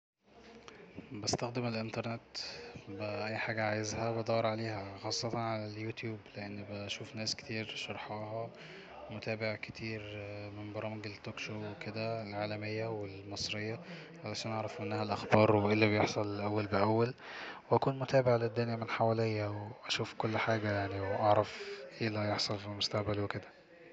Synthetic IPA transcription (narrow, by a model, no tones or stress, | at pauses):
bæst̪æxd̪emelʔent̪ɑɾˤnet̪bæʔæjːħaːɡæʕaːjezhæbæd̪ˤɑːɑɾˤʕaleːhæxɑːsˤːɑt̪ɑnʕalæljuːt̪juːbleʔenːbæʃuːfnæːske̥t̪iːɾʃɑɾˤħɑːɦɑ | mot̪æːbeʕket̪ʰiːɾmenbɑɾˤɑːmeɡelt̪ːoːkʃoːweked̪ælʕaːlæmejːæwelmɑsˤɾejːæ | ʕalæʃæːnʔɑʕɾˤɑfʔenːæhælʔæxbɑːɾˤweʔelːibejeħsˤɑllʔæwːælbeʔæwːælwʔækuːnmot̪æːbeʕled̪ːʊnjæmenħawæːlejːæweʔæʃuːfkolːħaːɡæjaʕniwʔɑʕɾˤɑfʔeːlæjeħsˤɑlfilmost̪æʔbælweked̪æ̥